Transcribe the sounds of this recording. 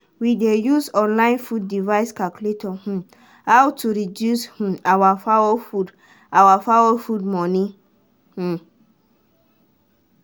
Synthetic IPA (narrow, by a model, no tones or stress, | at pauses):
widejusɔ̃nlãɪ̃nfud̚ːivaɪskakuletʰɔhũ | awtʰuɾidjushũawafawɔfud | awafawofudmɔ̃nĩ | h̩